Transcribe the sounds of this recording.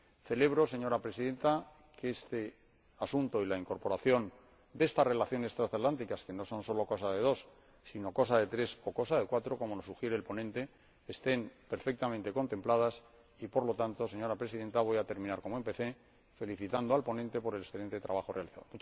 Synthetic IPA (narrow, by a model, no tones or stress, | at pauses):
θe̞le̞β̞ɾo̞se̞ɲo̞ɾapɾe̞siðẽ̞nt̪a | keest̪e̞ | asunt̪o̞ilaiŋko̞ɾpo̞ɾaθjo̞n | d̪e̞st̪are̞laθjo̞ne̞st̪ɾasat̪lant̪̬ikaske̞no̞so̞nso̞lo̞ko̞saðe̞ð̞o̞sː | ino̞ko̞saðe̞t̪ɾe̞so̞ko̞saðe̞kwat̪ɾo̞ko̞mo̞no̞suxje̞ɾeːlpo̞nẽ̞nt̪e̞ː | st̪e̞mpe̞ɾfe̞k̚t̪amẽnt̪e̞ko̞nt̪e̞mplað̞as | ipo̞ɾlo̞t̪ant̪o̞se̞ɲo̞ɾapɾe̞siðe̞nt̪aβo̞jat̪e̞ɾmĩnaɾko̞moempeθe̞ | fe̞liθit̪and̪oalpo̞nent̪e̞po̞ɾelesθeent̪et̪ɾaβaxo̞realiθa̰ðomut͡ʃ